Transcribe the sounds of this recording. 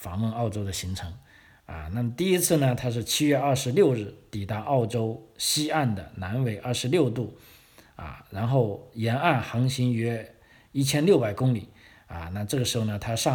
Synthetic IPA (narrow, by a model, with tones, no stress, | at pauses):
fɑ˧˥ŋwə˥˧nɑ˥˩ʊʈ͡ʂo˥ʊd̪ə˨ɕi˧˥ŋʈ͡ʂʰɤ˧˥ŋ | ɐ̰˧na˥˩mə˩t̪i˥˩i˥t͡sʰɹ̩˥˩nə˩t̪ʰa˥ʂ̬ɻ̩˥˩t͡ɕʰi˥ɥɛ˥˧ɐ˞˥˩ʂɻ̩˧˥ljo˥˧ʊɻɻ̩˥˩t̪i˨˩t̪a˥˧ʔɑ˥˩ʊʈ͡ʂo˥ʊɕi˥a˥˩nd̪ə˩na˧˥nwe˨˩ɪʔɐ˥˩ʂɻ̩˧˥ljo˥˧ʊt̪u˥˩ | ɐ̰˥˩ɻa˧˥nxo˥˩ʊjɛ˧˥na˥˩nxɑ˧˥ŋɕi˧˥ŋɥɛ˥ | i˥˩t͡ɕʰjɛ˥nljo˥˩ʊpa˨˩ɪkʊ˥ŋli˨˩˦ | ɐ̰˧na˥˩ʈ͡ʂɤ˥˩ɡə˩ʂɻ̩˧˥xo˧ʊnə˩t̪ʰa˥ʂɑ˥